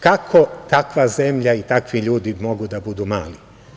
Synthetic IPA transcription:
kakʰo̞t̪akʋaze̞mʎait̪akʋiʎuːd̪imo̞ɡud̪abud̪uːma̰ːli

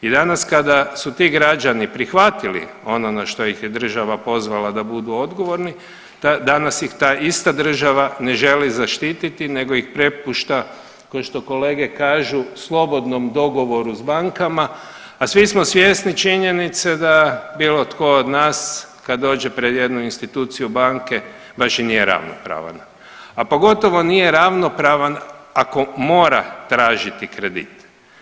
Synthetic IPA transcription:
id̪anaskad̪asut̪iːɡɾad͡ʒanipɾixʋat̪ilḭ | o̞nonaʃt̪o̞jixjed̪r̩ʒaʋapo̞zʋalad̪abud̪uo̞d̪ɡo̞ʋo̞ɾni | t̪ad̪anasjixt̪aːʔist̪ad̪r̩ʒaʋane̞ʒe̞lizaʃt̪iːt̪it̪ine̞ɡo̞ixpɾe̞puʃt̪a | konʃt̪o̞ko̞le̞ːɡe̞kaːʒuslˠo̞bo̞d̪no̞md̪o̞ɡo̞ʋo̞ɾuzbaŋkamaː | sʋismosʋjesnit͡ʃiɲe̞nit̪sed̪abiːlˠo̞t̪ko̞od̪naːs | kad̪d̪ːo̞ːd͡ʑepɾe̞d̪je̞d̪nuinst̪it̪uːt̪sijubaŋke̞ | baʃinijeɾa̰ʋno̰pɾa̰ːʋa̰n | apo̞ɡo̞t̪o̞ʋo̞nije̞ɾaʋno̞pɾaʋanako̞mo̞ːɾa̰t̪ɾaːʒit̪ikɾe̞d̪ḭt̪

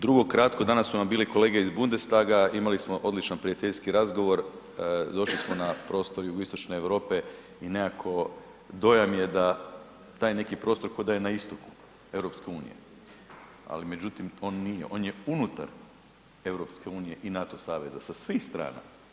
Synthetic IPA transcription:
d̪ɾuɡo̞kɾat̪kod̪anasːunambiːliko̞le̞ːɡe̞izbund̪est̪aɡaimalismoʔo̞d̪lit͡ʃanpɾiat̪eʎskiɾazɡo̞ʋo̞ɾ | d̪o̞ʃlismo̞napɾo̞ːst̪o̞ɾjuɡoist̪o̞t͡ʃne̞eʋɾo̞ːpe̞ | inekakʰo̞ | d̪o̞jamje̞d̪a | t̪aːjne̞kipɾo̞ːst̪o̞ɾkojd̪ajenaist̪o̞ku̥ | e̞ʋɾo̞pske̞uːnḭje̞̰ | a̰lime̞d͡ʑut̪imo̞ːnːije̞̰ʔo̞ːnje̞unut̪a̰ɾ | e̞ʋɾo̞pske̞uːnije̞ʔinat̪o̞saːʋe̞zasasʋiːxst̪ɾa̰ːna̰

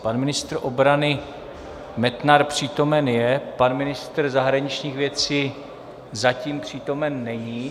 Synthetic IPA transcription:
panmɪnɪst̪ɾʔobɾanɪ | mɛt̪naɾpr̝̥iːt̪o̞mɛnjɛpanmɪnɪst̪r̩zaɦɾaɲɪt͡ʃɲiːxvjɛt͡siː | zaciːmpr̝̥iːt̪o̞mɛnːɛɲiː

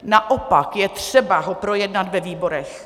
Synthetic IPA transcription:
naʔopakjɛt̪r̥ɛbaɦopɾojɛdnat̪vɛviːboɾɛx

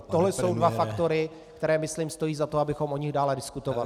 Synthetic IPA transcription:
t̪oɦlɛso̞wdvafakt̪o̞ɾɪ | k̚t̪ɛɾɛːmɪsliːmst̪o̞jiːzat̪o̞abɪxo̞mʔo̞ɲɪɣdaːlɛdɪskut̪oval

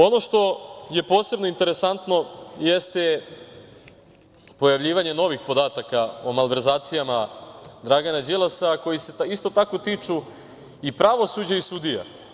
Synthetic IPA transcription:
o̞no̞ʃt̪o̞je̞po̞ːse̞bno̞int̪e̞ɾe̞sant̪no̞jest̪e | po̞jaʋʎiːʋaɲe̞no̞ʋixpo̞d̪aːt̪akaomalʋe̞ɾzaːt̪sijamad̪ɾaɡanad͡ʑilˠasako̞jise̞ist̪o̞t̪akot̪iːt͡ʂu | ipɾaʋo̞sud͡ʑaisud̪ija̰

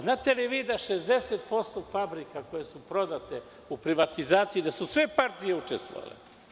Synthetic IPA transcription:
znaːt̪e̞liʋiːd̪aʃezd̪e̞set̪̚po̞st̪o̞fabɾikako̞jesupɾo̞d̪at̪e | upɾiʋat̪izaːt̪sijid̪asusʋe̞paɾt̪ijeut͡ʃest̪ʋo̰ʋa̰lḛ

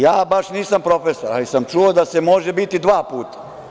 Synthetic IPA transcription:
jaːbaʃniːsampɾo̞fesoɾa̰lisamt͡ʃuod̪ase̞mo̞ʒe̞bit̪id̪ʋaːpuːt̪ḁ

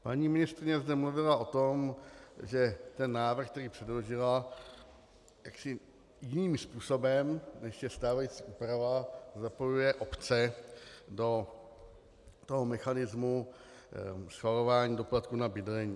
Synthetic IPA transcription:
paɲiːmɪnɪst̪ɾɪɲɛzdɛmluvɪlaʔo̞t̪o̞mʒɛt̪ɛnːaːvr̩xkt̪ɛɾiːpr̝̥ɛdlo̞ʒɪla | jaksɪ | jɪniːmspuːso̞bɛmnɛʃjɛst̪aːvajit͡siʔuːpɾavazapo̞jujɛʔo̞pt͡sɛ | do̞ | t̪o̞ɦomɛxanɪzmu | sxvalo̞vaːɲiːdoplat̪̚kunabɪdlɛɲiː

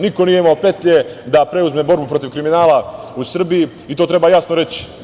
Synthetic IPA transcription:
niko̞nije̞imao̞pe̞t̪ʎed̪apɾe̞uzme̞bo̞ɾbupɾo̞t̪iʋkɾiminaːlausr̩biji | it̪o̞ːt̪ɾe̞baːjasnoɾe̞t͡ɕi̥

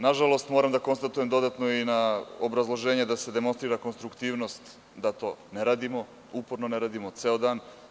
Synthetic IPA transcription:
naʒalo̞st̪moɾamd̪ako̞nst̪at̪ujemd̪o̞d̪at̪noinaobɾazlˠoʒe̞ːɲed̪ase̞d̪e̞monst̪ɾiːɾakonst̪ɾukt̪iːʋno̞st̪ | d̪at̪o̞̰ːneɾaːd̪imo | upo̞ɾnone̞ɾaːd̪imot̪seːod̪aːn

